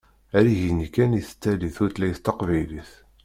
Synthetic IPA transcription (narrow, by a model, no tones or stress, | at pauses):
æɾiʝinikːæniθə̥t͡sːæliθʊɾt̪læjθt̪ːɑqvæjliθ